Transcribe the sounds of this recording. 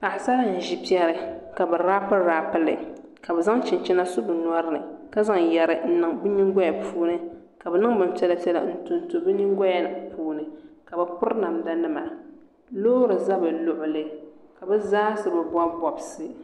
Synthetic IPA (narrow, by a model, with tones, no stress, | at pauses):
pa˨ʔɪ˨sa˦la˦˨n̩˨ʒi˦pi˦ɛ˦ɾɨ˨ka˨bɨ˨ɾaː˦pɨ˦ɾaː˦pɨ˦lɨ̰˨ | ka˨bɛ˨za˦ŋt͡ʃɪ˨n˨t͡ʃɪ˦na˦sʊ˦bɨ˨na˦ɾɨ˦nɨ˨ka˦za˦ŋjɛ˨ɾɨ˨n̩˦nɨ˨ŋbɨ˦ɲi˦ŋɡɔ˦ja˨pʰuː˦nɨ˦ | ka˨bɛ˨nɨ˦ŋbɨ˨n˦tɛ˦la˦tɛ˦la̰˨n̩˦tu˨nto˨bɨ˦ɲi˦ŋ˦ɡɔ˦ja˦nɨ˨puː˦nɨ˨ka˨bɛ˨pʊ˦ɾna˨mda˦nɨ˦ma˨ | loː˦ɾɨ˨za˦bɨ˨lʊ˦ʔʊ˨lɨ˦ka˨bɛ˦zaː˦sɨ˨bɛ˨ba˦bɔ˨bsɨ˦